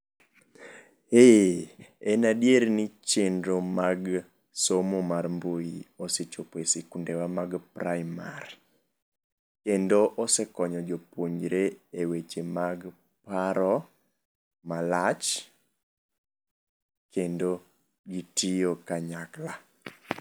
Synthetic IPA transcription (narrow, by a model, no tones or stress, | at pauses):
e | ɛnadjeɾnɪt͡ʃendɾomaɡ | somomarmbojioset͡ʃopoesekundewamaɡpɾajmaɾ | kendoʔɔsekɔɲɔd͡ʒopoɲd͡ʒɾeewet͡ʃemaɡ | paɾɔ | malat͡ʃ | kendo | ɡitijokaɲakla